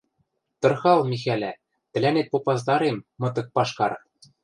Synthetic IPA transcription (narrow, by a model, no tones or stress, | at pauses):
t̪ɤ̆rxɑlˠmʲixælʲæ | t̪ɘ̆lænet̪̚popɑzd̪ɑɾemːɤ̆t̪̬ɤ̆k̚pɑʃkɑɾ